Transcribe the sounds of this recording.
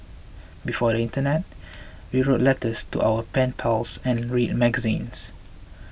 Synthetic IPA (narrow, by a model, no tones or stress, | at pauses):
bifɔdəĩntənɛt̚ | wiɹotlɛtəstṵʔawəpɛ̃npʰɛlsɛ̃nɹit̚mɛɡəzḭ̃ns